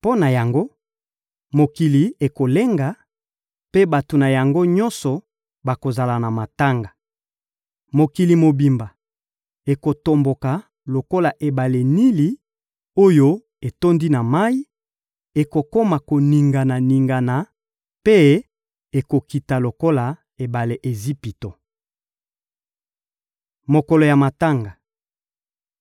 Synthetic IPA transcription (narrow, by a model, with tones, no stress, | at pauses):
po˦na˨ja˨ŋɡo˦ | mo˨ki˨li˨e˨ko˨le˦ŋɡa˨ | pe˦ba˨to˨na˨ja˨ŋɡo˦ɲɔ̃˦nsɔ˨ | ba˨ko˨za˨la˨na˨ma˨ta˦ŋɡa˨ | mo˨ki˨li˨mo˨bi˨mba˨ | e˨ko˨to˨mbo˨ka˨ | lo˨ko˦la˨ʔe˨ba˨le˨ni˦li˦ | o˦jo˦ | e˨to˦ndi˦na˨ma˦i˦ | e˨ko˨ko˦ma˨ko˨ni˨ŋɡa˨na˨ni˨ŋɡa˨na˨ | pe˦ | e˨ko˨ki˨ta˨lo˨ko˦la˨ | e˨ba˨le˨ʔe˨zi˦pi˨to˨ | mo˨ko˨lo˨ja˨ma˨ta˦ŋɡa˨